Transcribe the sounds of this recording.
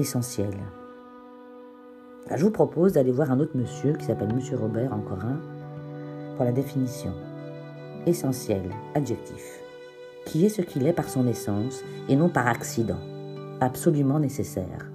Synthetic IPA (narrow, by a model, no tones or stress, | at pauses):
esɑ̃sjɛl | a̰ʁʒəvupχɔpozd̪alevwaʁɛ̃not̪χməsjøkʲi̥sapɛlməsjøʁɔbɛʁɑ̰̃kɔʁɛ̃ | puʁlad̪efinisjɔ̰̃ | esɑ̃sjɛ̰laʒɛk̚t̪ʰḭf | kʲʰiɛsəkʲilɛpaʁsɔ̃nesɑ̃senɔ̃paʁaksid̪ɑ̰̃apsɔlymɑ̃nesesɛ̰ːʁ